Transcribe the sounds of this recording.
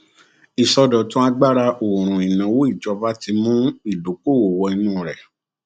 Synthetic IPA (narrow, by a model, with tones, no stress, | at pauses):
i˨sɔ˧dɔ̃˨tũ˦a˧ɡ͡ba˦ɾa˧o˨ɾ̃ũ˨i˨nã˨˦wo˦i˦˨d͡ʒɔ˧ba˦ti˧mũ˦i˦˨do˨˦ko˦˨wo˨wɔ˧i˧nũː˦˨ɾɛ˨